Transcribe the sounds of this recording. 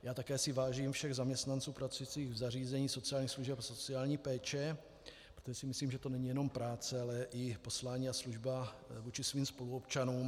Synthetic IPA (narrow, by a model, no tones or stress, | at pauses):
jaːt̪akɛːsɪvaːʒiːmfʃɛɣzamɲɛst̪nant͡suːpɾat͡sujit͡siːɣvzariːzɛɲiːso̞t͡sɪaːlɲixsluʒɛpaso̞t͡sɪaːlɲiːpɛːt͡ʃɛ | pɾot̪oʒɛsɪmɪsliːmʒɛt̪o̞nɛɲijɛno̞mpɾaːt͡sɛalɛʔɪpo̞slaːɲiːasluʒbavuːt͡ʃɪsviːmspo̞luopt͡ʃanuːm